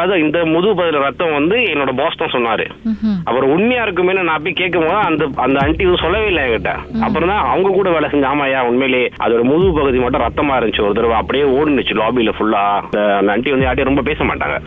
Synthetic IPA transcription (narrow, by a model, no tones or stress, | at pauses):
ðɯɪnd̪ɐmʊðʊʋpɐɣɯðɪlɐɾɐt̪ːɐ̃mʋɐnd̪ɯɛnːoːɽɐboːst̪ãːsɔnːaːɾɯ̰ɐpːɯɾɔ̃ʊɳmɐjaːɪɾɯk̬ːɯmeːnːɐnãːɐp̬ːɐĩkeːʈ̚kːɐmpoːðɐnd̪ɐɐnd̪ɐɐɳʈiʋɐnɯsɔlːɐʋeːɪlːɐẽŋkɪʈːḛ̃ːɐ̰pːɯɾɔ̃nt̪ãːɐʋɐŋɡɐkuːɽɐʋeːɭlɐsɛɲd͡ʒaːmaːjaːɔnmeːleːʔɐ̰ðoːɽɐmʊðupɐɣɯðimaːʈːɐ̃ɾɐt̪ːɐmaːɪɾɐd͡ʒɪt͡ʃːɔɾɯt̪ːɪɾɐʋaɐpːɐɽɪjeːoːɽɯnɯt͡ʃːɯlaːbilɐfʊɭːaːd̪ɐɐnd̪ɐɐɳʈiʋɐnd̪ɯjaːʈ̬ːiɾɔmbɐpeːsɐma̰ːʈːa̰ːŋɡɐ̰